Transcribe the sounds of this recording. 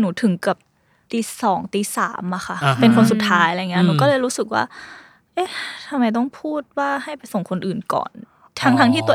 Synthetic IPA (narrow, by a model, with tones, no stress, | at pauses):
nuː˩˦t̪ʰɯ˩˦ŋkp̚ | t̪iː˧sɔː˩˦ŋt̪iː˧˩sa̰ː˩˦mʔa˧˩xʰa˥˩pe˧nkʰo˧nsu˨˩t̪ʰːaː˦˥jjŋi˦˥˧nuː˧˦kɔː˥˩lɤː˧jɾuː˦˥sɯ˨˩k̚wa̰ː˥˩ | ʔeː˧˥t̪ʰa˧mːa˧˦jt̪̬ɔ˥˩ŋpʰuː˥˩t̪̚waː˥˩ha˥˩jpa˧jso˨˩ŋkʰo˧nʔɯː˨˩nkɔ̰ː˨˩n | t̪ʰa˦˥ŋt̪ʰa˦˥ŋt̪ʰiː˥˩t̪u˧ə